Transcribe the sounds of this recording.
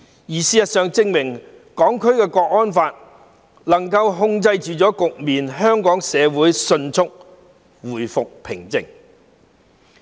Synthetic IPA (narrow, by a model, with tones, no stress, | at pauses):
jiː˨˩siː˨jɐ˨t̚sœː˨ŋt͡sɪ˧ŋmɪ˨˩ŋ | kɔː˨˥ŋkʰɵ˥ɥkɛː˧kɔː˧k̚ɔː˥nfaː˧t̚ | lɐ˨˩ŋkɐ˧wɦʊ˧ŋt͡sɐ˧jt͡ʃyː˨t͡sɔː˨˥kʊ˨k̚miː˨˩nɦœː˥ŋkɔː˨˥ŋsɛː˨˧wuː˨˥jsɵ˧nt͡sʰʊ˥k̚ | wuː˨˩jfʊ˨k̚pʰɪ˨˩ŋt͡sɪ̰˨ŋ